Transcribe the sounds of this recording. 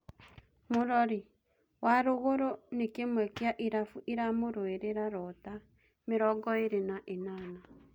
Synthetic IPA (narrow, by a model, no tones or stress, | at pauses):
moɾɔɾi | waɾoɣoɾonekemwɛkeaʔiɾafuʔiɾamoɾoeɾeɾaɾɔta | meɾɔɡɔeɾenaʔenaːna